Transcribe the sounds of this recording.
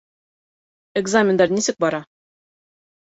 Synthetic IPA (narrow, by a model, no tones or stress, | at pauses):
eɡzamʲɪnd̪ɑɾnisɘk̚bɒɾɑ